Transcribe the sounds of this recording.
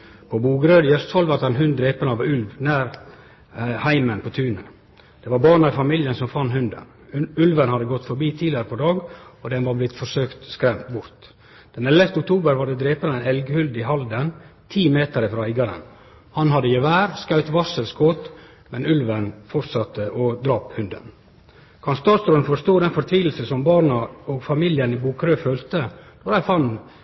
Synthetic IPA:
pʰɔbuːɡɾøːd̪jɛst̪ʰɔlʋɑɾt̪ɛnhʉn̚d̪ɾeːpənəɑʋʉlʋnæːɾ | hæɪmənpʰɔt̪ʰʉːnə | d̪̥ɛʋɑɾbɑːɳəɾfɑmiljənsɔmfɑnːhʉnd̪ə̰n | ʉlʋənhɑd̪ːəɡɔt̪ːfɔɾbiːt̪ʰiːlɪəɾəpʰɔd̪ɑːɡɔd̪ɛnʋɑːɾblɪt̪fɔʂøːkt̪skɾɛmt̪bʊɾt̪ | d̪̥ɛnɛlːəft̪əʊk̚t̪ʰuːbəɾʋɑɾɖɛd̪ɾeːpənəæɪnɛlɡhʉld̪ɪɦɑld̪ənt̪ʰiːmeːt̪əɾəfɾɑɪɡɑɾə̰n | hɑnhɑd̪ːəjɛʋæːɾskɑʉt̪ʋɑsəlskʰoːt̪ | mɛnʉlʋənfɔɾt̪sɑt̪ːəʔɔd̪ɾɑːphʉnd̪ə̰n | kʰɑnst̪ɔst̪ɾʉnfɔst̪oːd̪ɛnfɔɾt̪ʰʋiːl̩səsɔmbɑːɾɳəɔɡfɑmiljənɪbuːkʰɾøːføːlt̪əd̪̥ɔɾæɪfɑnː

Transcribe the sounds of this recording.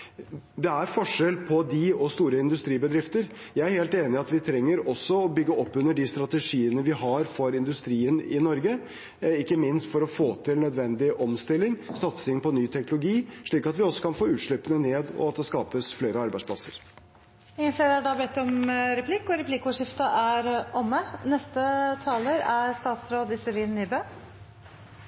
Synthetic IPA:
d̪ɛæɾfɔʂɛlpʰɔd̪ɪɔst̪uːɾəɪnd̪ʉst̪ɾiːbəd̪ɾɪft̪əɾ | jæɪæɾheːlt̪eːnɪɑt̪ʋɪt̪ʰɾɛŋːəɾɔsːɔɔbʏɡːəʔɔpːʉnːəɖɪst̪ɾɑt̪ɛʂiːənəʋɪhɑɾfɔɾɪnd̪ʉst̪ɾiːənɪ̰nɔɾɡə | ɪkːəmɪnst̪fɔɾɔfoːt̪ʰɪlnœd̪ʋɛnd̪ɪʔɔmst̪ɪlːɪŋsɑt̪sɪŋpɔnyːt̪ʰɛknʊlʊɡiːʂɭiːkɑt̪ʋɪɔsːɔ̥kɑnfoːʉːt̪ʂɭɪpːənəneːd̪ɔ̰ɑt̪̚d̪ɛskɑːpəsfleːɾəɑɾbæɪspʰlɑsəɾ | ɪənfleːɾæɖɑːbɛt̪ːɔmɾɛpʰlɪkːɔɾɛpʰlɪkːʊʂɪft̪əʔæɾɔmːənɛst̪ət̪ʰɑːləɾæɾst̪ɑːt̪sɾoːd̪ɪsɪliːnːɪbø

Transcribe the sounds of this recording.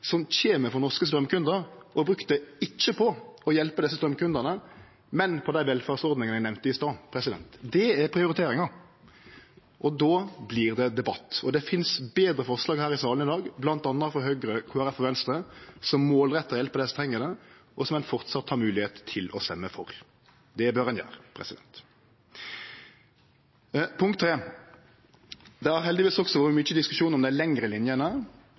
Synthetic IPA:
sɔmçeːməfɔɾnɔʁʂkəst̪ɾœmkʰʉnd̪əɾʔɔbɾʉkt̪əɪt͡ʃːəpʰɔɔjɛlpəd̪ɛsəst̪ɾœmkʉnd̪ənə | mɛnpʰɔd̪æɪʋɛlfæʁsɔʁd̪nɪŋəænɛʋmnt̪əɪst̪ɑːpʰɾɛsɪd̪ɛ̰nt̪d̪ɛæʁpʰɾɪʊɾɪt̪ʰeːɾɪŋɑ | ʔɔd̪oːbliːʁd̪ɛd̪ɛbɑt̪ːɔd̪ɛfɪnsbeːd̪ɾəfɔʁʂlɑːɡɦæːɾɪsɑːlənɪd̪ɑːɡblɑnt̪ɑnːəfɔɦœːɡɾəkʰoːæɾɛfɔʋɛnst̪ɾəsɔmːoːlɾɛt̪ːəɾjɛlpəd̪ɛst̪ʰʁɛŋːəd̪ɛʔɔsɔmɛnfɔʁt̪sɑt̪ːhɑːɾmʉːlɪheːt̪ʰːɪlɔst̪ɛmːəfɔ̰ɾ | d̪ɛæbøːʁənjæ̰ːʁpʰʁɛ̰sɪd̪ɛ̰nt̪ | pʰʊŋkt̪ːʰɾeː | d̪ɛæɾɦɛld̪ɪʋiːsɔksɔʋuːəmʏəd̪ɪskʉʂuːnɔmd̪æɪlɛŋɾəlɪnjənə

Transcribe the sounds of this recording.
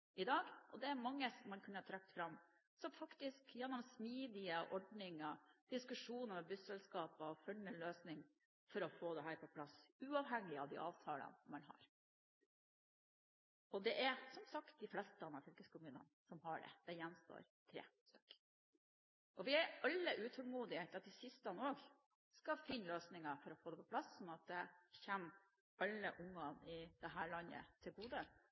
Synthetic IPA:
ʔɪd̪ɑːɡʔɔd̪ɛæɾmɑŋːəsɔmːɑnkʰʉnːəhɑt̪ʰɾɑk̚t̪fɾɑmː | sɔmfɑkt̪ɪskjɛnːɔmsmiːd̪ɪəʔɔɖnɪŋɑd̪̥ɪskʉʂuːnəmɛbʉsɛlskɑːpəɔfœnːəløːsnɪŋ | fɔɾɔfoːd̪ɛɦæːɾpʰɔpʰlɑsʉːɑːʋɦɛŋːɪɑʋd̪ɪ̰ʔɑ̰ːʋt̪ʰɑːlə̰nmɑnɦɑ̰ːɾ | ɔd̪ɛʔæɾsɔmsɑkt̪̚d̪ɪflɛst̪əɑnːɑɾfɔlkəskʊmʉːnə̰nsɔmɦɑɖɛ̰d̪̥ɛjɛnːst̪o̰ːɾt̪ʰɾḛːst̪œ̥k | ʔɔʋɪæʔɑlːəʔʉːt̪ʰɔlmuːd̪ɪɛt̪ɑt̪̚d̪ɪsɪst̪ɑnoːɡ | skɑfɪnːløːsnɪŋɑfɔɾɔfoːd̪ɛpʰɔpʰlɑsɔnɑt̪̚d̪ɛçɛmː | ɑlːəʔʊŋːɑnɪd̪̥ɛɦæːɭɑnːə̰t̪ʰɪlɡuːd̪ə

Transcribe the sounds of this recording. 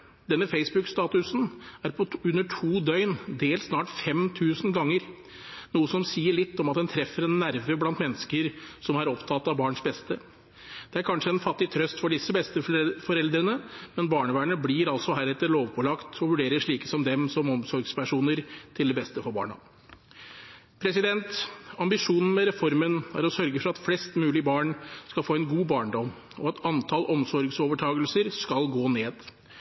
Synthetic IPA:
d̪ɛnːəfeɪsbʉkst̪ɑːt̪ʉsn̩æɾpʰɔʉnːəʈʰuːd̪œʏnd̪eːlt̪snɑːʈfɛmt̪ʰʉːsn̩ɡɑŋːəɾ | nuːəsɔmsiːəɭɪt̪ːɔmɑt̪̚d̪ɛnt̪ʰɾɛfːəɾɛnːæɾʋəblɑnt̪mɛnːəskəɾsɔmɑɾɔpt̪ʰɑt̪ːɑʋbɑːɳʂbɛst̪ə | d̪̥ɛæɾkʰɑnʂəɛnfɑt̪ːɪt̪ʰɾœst̪fɔɖɪsːəbɛst̪əfɔɾɛld̪ɾənəmɛnbɑːɳəʋæːɳəblɪɾɑlsɔɦæːɾɛt̪ːəɭoːʋpʰɔlɑkt̪ʰɔʋʉɖeːɾəʂɭiːkəsɔmd̪ɛmsɔmɔmsɔɾɡspʰæʂuːnəɾt̪ʰɪld̪ɛbɛst̪əfɔɾbɑ̰ːɳɑ̰ | pʰɾɛsɪd̪ɛnt̪ɑmbɪʂuːnn̩mɛɾɛfɔɾmənæ̰ɾɔsœɾɡəfɔɾɑt̪flɛst̪mʉːlɪbɑːɳskɑlfoːɛnɡuːbɑːɳɖɔm | ɔɑt̪ɑnt̪ʰɑlʔɔmsɔɾɡsoːʋəʈʰɑːɡəlsəɾskɑlɡoːneːd̪

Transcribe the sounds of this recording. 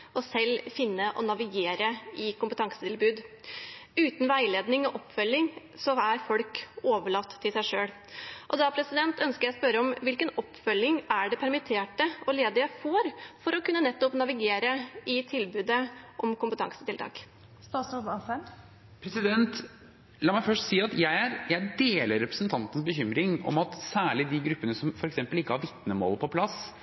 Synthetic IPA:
ɔsɛlːfɪnːəʔɔ̰nɑʋɪɡeːɾəɪkʊmpət̪ʰɑŋsət̪ʰɪlbʉːd̪ | ʉːt̪n̩ʋæɪleːd̪nɪŋɔʔɔpːfœlːɪŋ | sɔæɾfɔlkoːʋəɭɑt̪ʰːɪlsæɪʂøːɽ | ʔɔd̪ɑpʰɾɛsɪd̪ɛnt̪œnskəɾjæspœɾəɔmʋɪlkənɔpːfœlːɪŋæɖɛpʰæɾmɪt̪ʰeːʈəʔɔleːd̪ɪəfoːɾfɔɾɔkʉnːənɛt̪ːɔpnɑʋɪɡeːɾəɪt̪ʰɪlbʉːd̪əʔɔmkʊmpət̪ʰɑ̰ŋsə̥t̪ɪlt̪ʰɑ̰ːk | st̪ɑːsubɑsɛn | pʰɾɛsɪd̪ɛnt̪ | lɑːmæɪfœʂʈsiːɑt̪jæɪæɾjæɪd̪eːləɾːɛpɾəsnt̪ʰɑnt̪ən̩s̬bəçʏmɾɪŋɔ̰mɑt̪sæːɭɪd̪ɪɡɾʉpːənəsɔmfɔɾɛksɛmpəlɪkːəhɑɾʋɪt̪nəmo̰ːləpʰɔpʰlɑs

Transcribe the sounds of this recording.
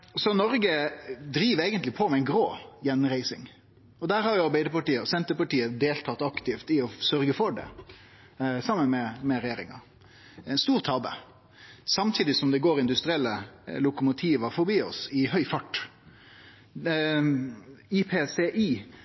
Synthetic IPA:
sɔnɔɾɡəd̪ɾiːʋɾeːɡənt̪lɪpʰɔmɛæɪnɡɾoːjɛnːɾæɪsɪŋ | ɔd̪æːɾhɑɾjʊɑɾbæɪd̪əpɑʈiːəɔsɛnt̪əpɑʈiːəd̪eːlt̪ʰɑt̪ːɑkt̪ɪft̪ɪɔsœɾɡəfɔɖɛ̰ | sɑmːənmɛmɛɾɛjeːɾɪŋɑ̰ | ɛnst̪uːʁt̪ʰɑbə̰ | sɑmt̪ʰiːd̪ɪsɔmd̪ɛɡoːɾɪnd̪ʉst̪ɾɪɛlːəlʊkʊmʊt̪ʰiːʋəɾfɔɾbiːɔ̰sɪhœʏfɑʈː | ipʰeːseʔiː

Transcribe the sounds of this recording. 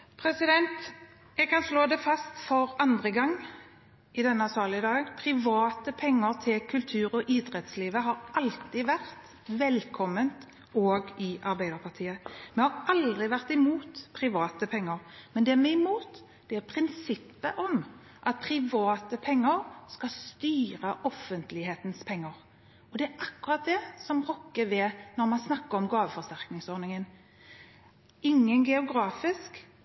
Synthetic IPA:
pʰɾɛsɪd̪ɛnt̪ | jɛɡkʰɑnsloːd̪ɛfɑst̪fɔɾɑnd̪ʁəɡɑŋː | ɪd̪ɛnːəɑsɑːlɪəd̪ɑːɡŋpʰɾɪʋɑːt̪əpʰɛŋːəɾt̪ʰɪlkʰʉlt̪ʰʉːɾɔʔɪd̪ɾɛt̪sliːʋəɦɑɾʔɑlt̪ɪʋæʁt̪ | ʋɛlkʰɔmːənt̪ | oːɡɪʔɑɾbæɪd̪əɾpʰɑʁt̪ʰiːəmɛhɑɾɑld̪ʁɪʋæʁt̪ɪmuːt̪pʰɾɪʋɑːt̪əpʰɛŋːəɾmɛnd̪ɛmɛɪmuːt̪ | d̪̥ɛæpʰɾɪnsɪpːəʔɔm | ʔɑt̪̚pʰɾɪʋɑːt̪əpʰɛŋːəɾskɑst̪yːɾəʔɔfənt̪lɪheːt̪nspʰɛŋːəɾ | ɔd̪ɛæʔɑkːʉɾɑt̪̚d̪ɛsɔmʁɔkːəʋɛnɔɾmɑnsnɑkːəɾɔmɡɑːʋəfɔɾst̪æʁknɪŋsɔɾnɪŋən | ɪŋːənɡɛʊɡɾɑːfɪsk

